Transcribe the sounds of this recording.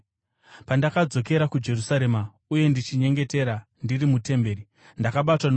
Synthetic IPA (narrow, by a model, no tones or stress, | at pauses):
pandakad͡zo̞ke̞ɾakud͡ʒe̞rusaɾe̞ːma | uje̞ndit͡ʃiɲe̞ŋɡe̞te̞ɾa | ndirimute̞mbe̞ːɾi | ndakaɓatwan